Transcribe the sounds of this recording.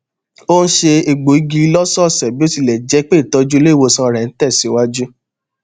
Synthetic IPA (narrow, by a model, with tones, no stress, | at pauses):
o˦ñ̩˦ʃe˧e˧ɡ͡bo˨i˨˧ɡi˧˦lɔ˦sɔ˦˨sɛ˨bi˦o˦ti˧˨lɛ˨d͡ʒɛ˨˦k͡pe˦˨tɔ˧d͡ʒu˦le˦˨wo˧sã˧ɾɛ̃˨n̩˦tɛ˦˨si˨˦wa˦d͡ʒu˦